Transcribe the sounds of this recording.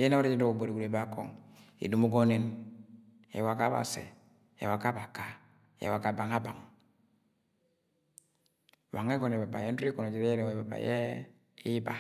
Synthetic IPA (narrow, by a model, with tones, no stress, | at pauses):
je˦na˦wo˦ɾe˦d͡ʒi˦do˦ko˨bo˨ɾi˨ɡu˨ɾe˨ba˦ko̰˨ŋ | ḭ˨du˨mu˦ɡo˦ne˨n | ḛ˨wa˨ka˦ba̰˨sḛ˨ | ḛ˨wa˨ka˦ba˨ka˨ | ḛ˨wa˨ka˨ba˨ŋa˦ba˨ŋ˨ | wa˨ŋe˦kɔ˦˨ne˨ba˨ba̰˨je˦n˦i˦ko˨no˨d͡ʒi˨ɾe˦jɛ˦ɾe˨wba˨ba̰˨je˦ | i˦ba˨